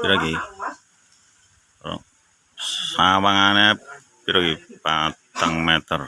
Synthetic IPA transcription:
piɾaɡi | ɾo̰ | ssawaŋane | piɾaɡipat̪aŋmɛt̪ər

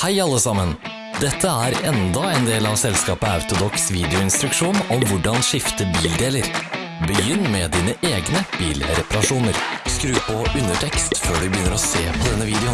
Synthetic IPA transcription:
hæɪɑlːəsɑmən | d̪ɛt̪ʰːəæɾɛnd̪ɑɛnd̪eːlɑʋsɛlskɑːpəɑʉt̪ʊd̪ɔksʋiːd̪ɛʊɪnst̪ɾʉkʂuːnɔmʋʊɖɑnʂɪft̪əbiːld̪eːləɾ | bəjʏnːmɛd̪iːnəʔeːɡnəb̥iːlɾɛpɑɾɑʂuːnəɾskɾʉːpɔʉnːəʈʰɛkst̪føːɖʉbəjʏnːəɾɔseːpʰɔd̪ɛnːəʋiːd̪əɛʊ

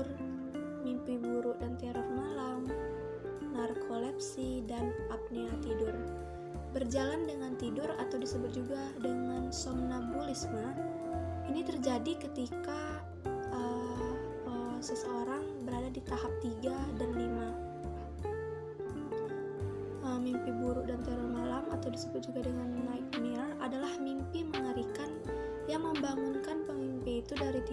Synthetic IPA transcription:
r | mimpibuɾʊʔdant̪eaɾɛrmalam | narkʰolɛp̚sidanʔap̚ninat̪idʊr | bərd͡ʒalandəŋant̪idʊrat̪awdisəbʊt̪̚d͡ʒuɡa | dəŋansɔmnabulɪsma | init̪ərd͡ʒadikət̪ika | ʔə | əsəsəoɾaŋ | bəɾadadit̪aɦap̚t̪iɡadanlima | əmimpibuɾʊʔ̚dant̪əɾulmalama̰t̪awdisəbʊt̪̚d͡ʒuɡadəŋanmajk̚niəradalahmimpiməŋəɾikan | jaŋməmbaŋunkanpəmimpiːt̪udaɾit̪i

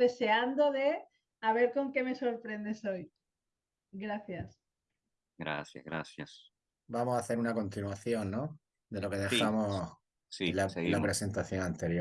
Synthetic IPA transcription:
e̞se̞and̪oðe | aβe̞ɾko̞ŋke̞me̞so̞ɾpɾe̞nd̪esoj | ɡɾaθjas | ɡɾa̰θja̰zɣɾa̰θja̰s | bamosaθe̞ɾunako̞nt̪inwaθjo̞nːo | d̪e̞lo̞keðexamo | silalapɾese̞nt̪aθjoŋãnt̪eɾjo

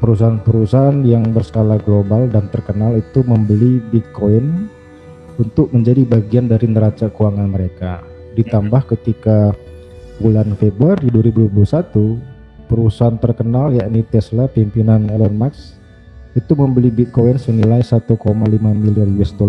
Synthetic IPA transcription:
pəɾus̬aɦanpəɾusaɦanjaŋbərsə̥kalaɡlobaldant̪ərkənalit̪uməmbəlibit̪̚koin | unt̪ʊk̚məɲd͡ʒadibaɡiandaɾinəɾat͡ʃakuaŋanməɾeka | dit̪ambahkət̪ika | bulanfebɾuaɾiduwaɾibudpulusat̪u | pəɾusaɦant̪ərkənaljaʔnit̪ɛslapimpinanɛlɔrmaks | it̪uməmbəlibit̪̚koinsənilajsat̪ukomalimamiliaruɛsdol

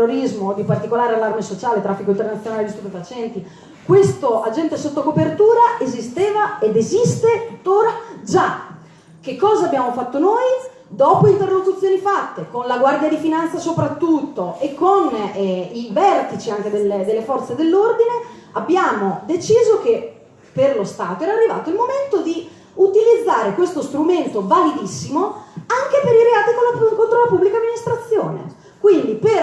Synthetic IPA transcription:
oɾizmod̪ipart̪ikolaːɾealːarmesot͡ʃaːlet̪ɾafːikoint̪ernat̪sjonaled̪ist̪upefat͡ʃɛnt̪i | kwest̪oʔad͡ʒɛnt̪esot̪ːokopert̪uːɾaʔezist̪eːvaed̪ezist̪et̪ut̪ːoːɾad͡ʒa | k̟ekːɔːzaːbːjaːmofat̪ːonoːj | d̪ɔːpoint̪erːokut̪sːjoːnifat̪ːekonlaɡward̪jad̪ifinant̪sasopɾat̪ːut̪ːoekʰːonɛivɛrt̪it͡ʃiaŋk̟ed̪eled̪elːefɔrt̪sed̪elːord̪ineabːjaːmod̪et͡ʃiːzok̟e | pːerlost̪aːt̪oɛːɾarːiva̰ːt̪oilmoment̪od̪i | ut̪ilid̪zːaːɾekwest̪ost̪ɾument̪ovalid̪isːimoaŋkepeɾiɾeaːt̪ikolakont̪ɾolapubːlikamːinist̪ɾat̪sːjoːnḛ | kwind̪iper

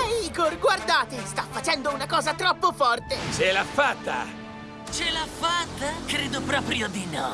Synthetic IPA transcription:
ɛiːkorɡward̪aːt̪est̪afːat͡ʃɛnd̪ounakɔːzat̪ɾɔpːofɔrt̪et͡ʃelafːat̪ːa̰ | t͡ʃelafat̪ːakɾeːd̪opɾɔːpɾjod̪inɔ

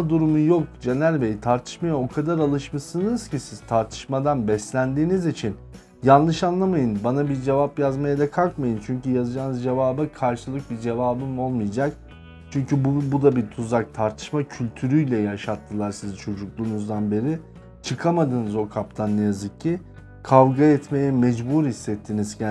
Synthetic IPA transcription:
d̪uɾumujo̞k̚d͡ʒenælʲbejit̪ʰaɾt̪ʰɯ̥ʃmajao̞kʰad̪aɾalˠɯʃmasɯnɯz̥cʰisiz̥t̪ʰaɾt̪ʰɯ̥ʃmad̪anbɛslʲænd̪iːnizit͡ʃʰin | janˠlˠɯʃanlˠamajɯnbanabiɾd͡ʒe̞vapjazmajad̪akʰalˠkmajɯnt͡ʃʰyɲcyjazɯd͡ʒaːnɯzd͡ʒe̞vaːbɯkʰaɾʃɯlˠɯk̚bid͡ʒe̞vaːbɯmo̞lˠmɯjd͡ʒak | t͡ʃʰyɲcybbud̪abit̪ʰuzak̚t̪ʰaɾt̪ʰɯ̥ʃmacʰylʲt̪ʰyɾyjlʲɛjaʃat̪ʰːɯlˠaɾsizt͡ʃʰo̞d͡ʒuklˠuːnuzd̪anbe̞ɾi | t͡ʃʰɯkʰamad̪ɯnɯzo̞kʰap̚t̪ʰanːɛjazɯcʰːi | kʰavɡaɛt̪me̞jɛmɛd͡ʒbuːɾhisːɛt̪ʰːiniz̥cʰæ

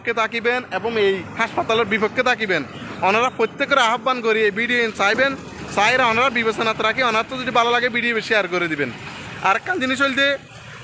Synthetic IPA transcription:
kːet̪ʰakibeneboŋejhaʃpat̪aleɾbiboɡ̚kːet̪ʰakibenɔnaɾapɾot̪ːekːoɾeaɦabːankoɾiejbiɖijoent͡ɕajben | sajɾaɔnaɾabibesonat̪ɾakiɔnat̪od͡ʑodibalalaɡebiɖiobeʃiaɾkoɾed̪ibena̰ɾɛkːand͡ʑiniʃ̬ojlʲt̪e

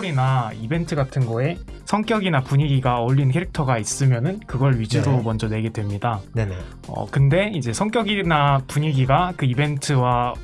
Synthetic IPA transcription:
ɾinaibe̞ntʰɯɡatʰɯnɡʌe̞sʰʌŋk͈jʌɡinapuɲiɡiɡaʌʎːinkʰe̞ɾik̚tʰʌɡais͈ɯmjʌnɯnkɯɡʌɭɥid͡ʑiɾomʌnd͡ʑʌne̞ɡe̞dwe̞mɲidae | ʌ̰kɯnde̞id͡ʑe̞sʰʌŋk͈jʌɡinapuɲiɡiɡakɯibe̞ntʰɯwa

